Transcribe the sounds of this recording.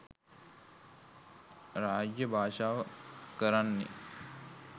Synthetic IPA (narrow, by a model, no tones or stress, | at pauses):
ɾaːd͡ʒjəbʱaːʃaːʋəkəɾanːḛ